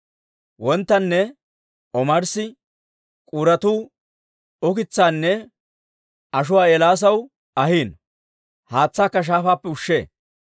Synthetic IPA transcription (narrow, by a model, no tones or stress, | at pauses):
wɔnt̪ːɐnːɛ | ɔmɐɾsɪ | kʼuːɾɐt̪uː | ɔkɪt͡sːaːnːɛ | ɐʃ̬ʊwaːɛlaːs̬ɐw | ɐhiːn | haːt͡sːaːkːɐʃ̬aːfaːpːɛʊʃːḛː